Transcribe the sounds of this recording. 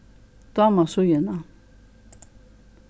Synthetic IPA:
t̪amasujenã

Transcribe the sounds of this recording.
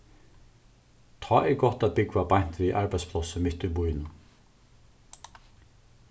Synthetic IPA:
t̪ʰɑːʔɛɾɡɔht̪aðbɪkʋabajn̥t̪ɾiʔaɹbaɪjt̪spʰlˠɔsəmɪt̪ːʏbujnə

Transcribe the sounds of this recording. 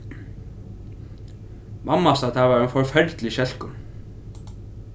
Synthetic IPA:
mʔamːast̪at̪ʰavaɾɛnfɔɾfɛɾt̪lɪɕɛl̥kʏn

